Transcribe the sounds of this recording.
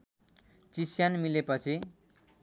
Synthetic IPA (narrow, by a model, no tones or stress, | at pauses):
t͡sisjanmilepʌt͡sʰi